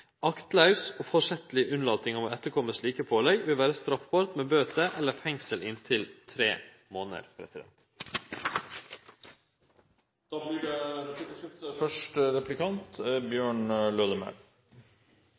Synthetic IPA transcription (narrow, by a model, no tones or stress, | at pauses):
ɑkt̪lɑʉsoːfɔʂɛt̪əlɪʔʉnlɑːt̪ɪŋɑʋɔɛt̪ːəɾkʰɔmːəsliːkəpʰoːlæɪʋɪlʋæːɾəst̪ɾɑfbɑːɾt̪meːbøːt̪əʔɛlːəɾfɛŋsəlʔɪnt̪ʰɪlt̪ʰɾḛː | moːnə̰ɾpʰɾɛ̰sɪd̪ɛ̰nt̪ | d̪̥ɑːblɪɖɛ | əfœʂʈəɾɛplɪkɑnt̪bjøːɳløːd̪əmœ̰ɾ